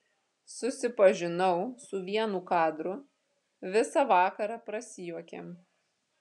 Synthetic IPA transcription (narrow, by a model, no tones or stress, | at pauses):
sʊsʲɪpɐʒʲɪnɐʊsʊʋʲiɛnuːkɑːd̪ɾʊ | ʋʲɪsɑʋɑːkɐɾɑːpɾɐsʲɪjuɔkʲḛm